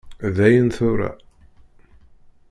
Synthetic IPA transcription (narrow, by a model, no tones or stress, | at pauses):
ðeːjɪnθœwɾa̰